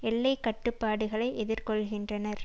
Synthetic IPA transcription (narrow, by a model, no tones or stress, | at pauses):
ɛlːɐɪkːɐʈːɯpːaːɽɯɣɐɭɐɪʔɛðɪɾkɔɭɣɪndrɐnɐɾ